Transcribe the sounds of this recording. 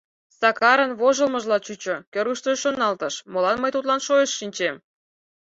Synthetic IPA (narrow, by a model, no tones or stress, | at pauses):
sɑkɑɾənβoʒəlmə̆ʒlɑt͡ɕut͡ɕokʲøruʃt̪əʃonɑlt̪ə̆ʃmolɑnməjt̪ut̪lɑnʃojeʃːinʲt͡ɕem